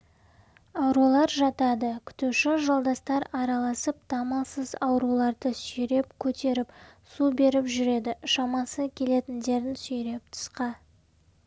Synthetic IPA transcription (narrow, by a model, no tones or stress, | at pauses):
ɑwɾulˠɑɾʒɑt̪ɑd̪əkʲʰʏ̥t̪uʃɪʒɑlˠd̪ɑst̪ɑɾɑɾɑlˠɑsəp̚t̪ʰɑmɑsəzɑwɾulˠɑɾd̪əsʏjɾe̞pkʲʰɵt̪e̞ɾɪpsube̞ɾɪpʒʏɾe̞d̪ɪʃɑmɑsəkʲʰe̞le̞t̪ɪnd̪e̞ɾɪnsɵjɾe̞p̚t̪ʰə̥sqɑ